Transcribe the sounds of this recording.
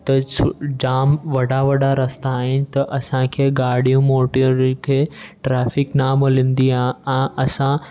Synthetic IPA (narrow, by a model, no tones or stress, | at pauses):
t̪əsd͡ʑaːmʋəɽaʋəɽaɾəst̪aːɦint̪ɐʔɐsãkʰeɡaːɽijũmoʈɾkʰeʈɾafiknaməlĩnd̪iããəsã